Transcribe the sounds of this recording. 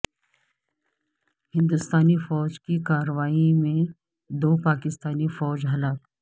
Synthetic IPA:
hɪ̃nd̪ʊst̪aːnifɔːd͡ʒkikaːɾəʋaːimẽ | d̪oːpaːkɪst̪aːnifɔːd͡ʒɦɐlaːk

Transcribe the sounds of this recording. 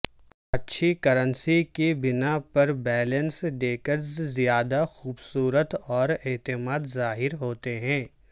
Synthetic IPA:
ɐtːʃʰikɐɾə̃nsikibɪnapɐɾbɛːlə̃nsɖeːkəɾzzijaːd̪axuːbsuːɾət̪ɔːɾeːt̪ɪmaːd̪zaːɦɪɾɦoːt̪eɦɛ̃ː

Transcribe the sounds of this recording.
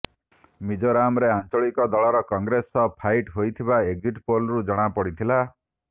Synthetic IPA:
mid͡ʒɔɾamɾeant͡ʃɔɭikɔd̪ɔɭɔɾɔkɔŋɡɾesɔpʰajʈɦojt̪ʰibaeɡd͡ʒiʈpolɾud͡ʒɔɽ̃apɔɽit̪ʰila

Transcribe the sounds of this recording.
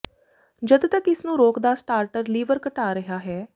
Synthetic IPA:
d͡ʒəd̪t̪əkɪsnũːɾoːkd̪aːsʈaːɾʈəɾliːʋəɾkəʈaːɾəɦaːɦɛː

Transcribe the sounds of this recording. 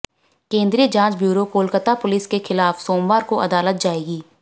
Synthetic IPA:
kẽːnd̪ɾid͡ʒãːt͡ʃbjuːɾokoːlkət̪apʊlɪskexɪlaːfsoːmbaːɾkoʔɐd̪aːlət̪̚d͡ʒaːeːɡiː

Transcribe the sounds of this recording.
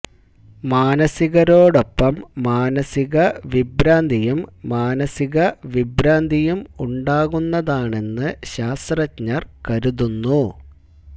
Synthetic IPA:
maːnɐsiɣɐɾo̞ːɽo̞pːɐmːaːnɐsiɣɐʋibɾaːnd̪ʱijumːaːnɐsiɣɐʋibɾaːnd̪ʱijumuɳɖaːɣunːɐðaːɳe̞nːɨɕaːst̪rɐtɲɐrkɐɾuðunːu

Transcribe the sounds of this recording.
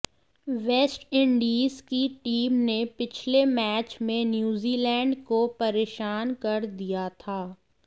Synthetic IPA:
ʋɛːsʈɪ̃ɳɖiːzkiʈiːmnepɪt͡ʃʰlemɛːt͡ʃmẽnjuːziːlɛ̃ːɳɖkopɐɾeːʃaːnkɐɾd̪ijat̪ʰaː

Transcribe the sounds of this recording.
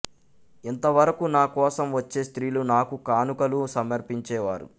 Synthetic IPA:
int̪ɐʋɐɾɐkunaːkɔːsɐmʋɐt͡ʃːeːst̪ɾiːlunaːkukaːnukɐlusɐmɐɾpiɲt͡ʃɛːʋaːɾṵ

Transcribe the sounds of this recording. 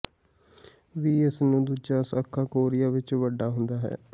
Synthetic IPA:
ʋiːɪsnũːd̪uːd͡ʒaːsaːkʰːaːkoːɾɪjaːʋɪt͡ʃʋəɖːaːɦʊnd̪aːɦɛ̰ː

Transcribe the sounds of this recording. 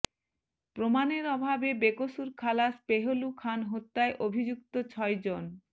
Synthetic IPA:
pɾomaneɾɔbʱabebekosuɾkʰalaspeɦolukʰanɦot̪ːaeʔobʱid͡ʑuk̚t̪ot͡ɕʰɔed͡ʑon

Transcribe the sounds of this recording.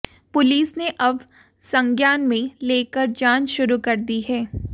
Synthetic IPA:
pʊliːsneʔɐb | sɐ̃ŋɡjaːnmẽleːkəɾd͡ʒaːnʃʊɾukɐɾd̪iɦɛː

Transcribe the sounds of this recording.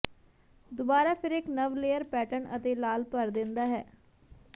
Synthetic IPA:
d̪ʊbaːɾaːpʰɪɾɪknəʋleːəɾpɛːʈəɳət̪eːlaːlpəɾd̪ɪ̃nd̪aːɦɛː

